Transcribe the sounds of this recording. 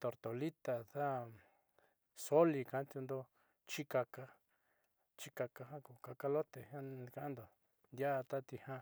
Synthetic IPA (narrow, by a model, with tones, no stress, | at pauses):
t̪o˨ɾt̪o˨li˦t̪a˨ða˦ | so˦li˧kã˧˦t̪ju˧nd̪o˧ | t͡ʃi˦ka˧ka˧ | t͡ʃi˦ka˧ka˧ɦã˦ku˨ka˧ka˧lo˦t̪e˨hã˦˧ka˧ʔnd̪o˨ | nd̪ʲja˦˧t̪a˦t̪i˧hã˦